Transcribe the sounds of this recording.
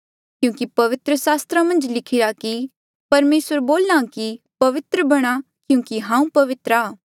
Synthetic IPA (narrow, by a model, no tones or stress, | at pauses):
kjũːkipɐʋɪt̪ɾəsaːst̪ɾamɐ̃nd͡ʒlɪkʰɪɾaki | pɐɾmeːswəɾboːlːãki | pɐʋɪt̪ɾəbɐɽ̃a | kjũːkiɦãːũpɐʋɪt̪ɾaː